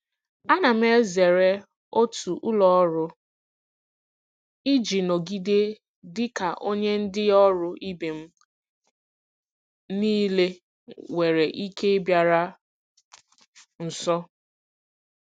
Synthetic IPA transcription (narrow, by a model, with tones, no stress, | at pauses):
a˦na˨m̩˦e˦ze˨ɾe˦ | o˦tu˨ʔʊ˦lɔ˨ɔ˦ɾʊ˦ | i˦d͡ʒi˨no˨ɡi˦de˦ | dɪ˦ka˨ʔo˦ɲe˦n̩˦dɪ˦ɔ˦ɾʊ˦i˦be˨m̩˦ | niː˦le˦ | we˨ɾe˨ʔi˦ke˦e˦bja˨ɾa˦ | n̩˨sɔ˦